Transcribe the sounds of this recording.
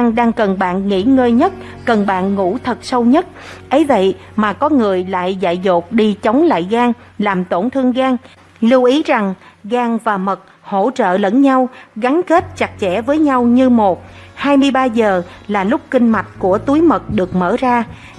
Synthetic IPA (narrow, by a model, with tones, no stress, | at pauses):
aː˧ŋɗaː˧ŋkə˨˩nɓa̰ː˧˨nŋḭ˧˥ŋəː˧jɲə˦˥t̚kə˨˩nɓa̰ː˧˨nŋṵ˧˥t̪ʰə˨˩t̚sə˧wɲə˦˥t̚ʔə˨˦jvə̰˧˨j | maː˨˩kɔ˨˦ŋɨ˨˩əjla̰ː˧˨jza̰ː˧˨jzo˨˩k͡p̚ɗi˧t͡ɕə˨˦wŋ͡mla̰ː˧˨jɣaː˧ŋlaː˨˩mt̪o˧˩nt̪ʰɨ˧əŋɣaː˧ŋ | li˧wʔi˨˦za˨˩ŋɣaː˧ŋvaː˨˩mə˨˩t̚ | ho̰˧˥t͡ɕə̰ː˧˨lə˧˩nɲa˧wɣa˨˦ŋke˦˥t̚t͡ɕa˨˩k̚t͡ɕɛ˧˩vəː˨˦jɲa˧wɲɨ˧mo˨˩t̚haː˧jmɨ˧əjɓaː˧zəː˨˩laː˨˩lʊ˦˥k͡p̚kï˧ŋ̟ma˨˩t̚ku˧˩ət̪u˨˦jmə˨˩t̚ɗɨ˨˩ək̚mə̰ː˧˩zaː˧